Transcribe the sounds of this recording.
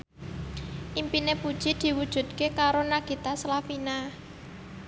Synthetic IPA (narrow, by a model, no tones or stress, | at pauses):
ʔimpinepud̥ʒ̥id̪̥i̤wud̥ʒ̥ṳd̪̚kekaɾonaɡ̥i̤t̪aslafina